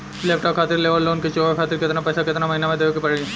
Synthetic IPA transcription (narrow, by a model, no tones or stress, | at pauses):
lɛːp̚ʈɔːpkʰaːt̪ɪɾleːʋəɾlːoːnket͡ʃoːakʰaːt̪ɪɾkɪt̪napɛːsʰakɪt̪namɐɦiːnamẽd̪eːokepɐɽee